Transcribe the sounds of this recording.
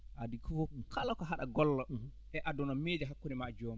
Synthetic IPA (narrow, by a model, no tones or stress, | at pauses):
ʔadikʰɔfɔkʰalɔkɔɦaɗa̰ɡɔlːɔ | ʔɛʔadɔnɔmeːd͡ʒɛɦakːunimad͡ʒoːmi